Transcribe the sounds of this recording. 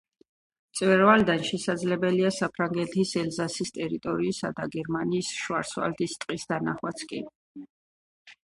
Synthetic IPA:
t̪sʼvɛɾvald̪anʃɛsad̪zlɛbɛliasapʰɾaŋɡɛt̪ʰisɛlzasist̪ʼɛɾit̪ʼɔɾiːsad̪aɡɛɾmaniːsʃwa̰ɾswa̰ld̪ist̪ʼqʼisd̪anaχwat̪sʰkʼi

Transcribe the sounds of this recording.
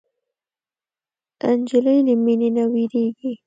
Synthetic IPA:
and͡ʒɪləjləmininawiɾeɡi

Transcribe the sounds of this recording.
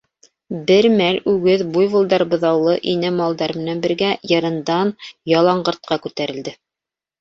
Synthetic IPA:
bɘɾmælʉɡɘðbujβŭlˠd̪ɑɾɤbɤ̆ðɑwlˠɤʔinæmɑlˠd̪ɑɾmɘ̆nænbɘ̆ɾɡæjɤ̆ɾɤ̆nd̪ɑnjɑlˠɑɴɢɤ̆ɾt̪̚qɑkʉt̪æɾɘ̆ld̪ɘ

